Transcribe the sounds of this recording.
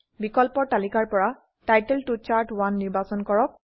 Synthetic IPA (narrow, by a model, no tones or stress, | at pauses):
bikɔlpɔtalikaɹpɔɹa | tajtɛltut͡ʃaɹʈwanːiɹbasɔnkɔɹɔk̚